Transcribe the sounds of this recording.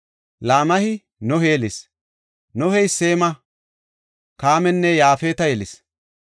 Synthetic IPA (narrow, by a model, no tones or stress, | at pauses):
laːmɐhɪ | nɔheːlɪs | nɔhɛjseːmɐ | kaːmɛnːɛjaːfeːt̪ɐjɛlɪs